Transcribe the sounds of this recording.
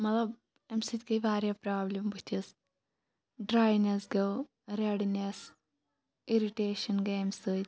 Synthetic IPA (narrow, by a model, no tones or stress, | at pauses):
mɐt̪lɐb | ɐmsɨt̪ʲkɐjʋaːɾjaːpɾaːblʲɐmbut̪ʰis | ɖɾaːjnesɡɐw | ɾeɽines | iɾiʈeːʃɐnɡeemsɨːt̪ʲ